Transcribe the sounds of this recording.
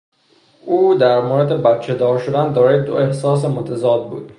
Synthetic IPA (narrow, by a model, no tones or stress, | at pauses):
ʔuːd̪æɾmoːɾed̪e̞bæt̪t͡ʃʰed̪ɒːɾʃod̪ænd̪ɒːɾɒjed̪oe̞hsɒːs̬emot̪ʰæzɒːd̪̚bṵːd̪̥